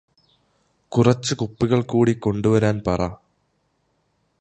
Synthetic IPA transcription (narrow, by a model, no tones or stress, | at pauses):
kurɐt͡ɕːɨkupːiɣɐɭkuːɽiko̞ɳɖuʋɐɾaːnpɐrɐ